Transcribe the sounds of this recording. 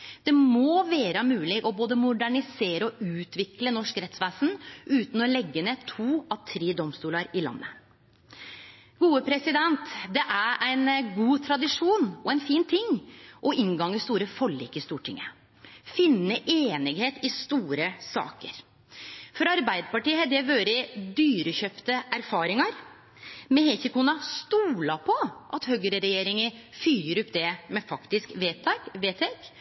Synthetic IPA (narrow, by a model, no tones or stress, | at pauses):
d̪̥ɛmoːʋeːɾəmʉːlɪʔɔboːd̪əmʊɖ̪æɳɪseːɾəɔʉːt̪ʋɪklənɔʂkɾɛt̪sʋæːsn̩ʉːt̪n̩ɔlɛɡːənet̪ʰuːɑʋt̪ʰɾeːd̪ɔmst̪uːləɾɪlɑ̰nːə̰ | ɡuːəpʰɾɛsɪd̪ɛnt̪d̪ɛʔæɾæɪnɡuːt̪ʰɾɑd̪ɪʂuːnɔæɛɪnfiːnt̪ʰɪŋːʔɔʔɪŋɡɑŋːəst̪uːɾəfɔɭːɪ̰ːkəɪst̪uːʈʰɪ̰ŋːə | fɪnːəʔeːnɪɡheːt̪ɪst̪uːɾəsɑ̰ːkə̰ɾ | fɔɾɑɾbæɪd̪əpɑʈiːəhɛd̪ɛʋøːɾəd̪yːɾəɕœːpt̪əʔæɾfɑːɾɪŋɑɾ | mɛhɛçəkuːnɑst̪uːlɑpʰɔʔɑt̪høɡəɾəɾɛjeːɾɪŋəfyːɾəɾʊpːd̪ɛmɛfɑkt̪ɪskʋeːt̪ʰɛkʋeːt̪ʰek